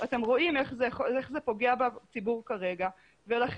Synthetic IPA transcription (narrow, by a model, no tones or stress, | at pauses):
ate̞mʁo̞ʔime̞χzeχeχze̞po̞ɡeabat͡sibuʁkaʁe̞ɡa | velaχ